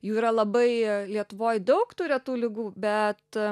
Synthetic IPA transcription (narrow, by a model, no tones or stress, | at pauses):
juːiːɾɐlˠɐbɐɪlʲiɛt̪ʊʋoːjd̪ɐʊkt̪uːɾʲɛt̪uːlʲɪɡuːbʲɛt̪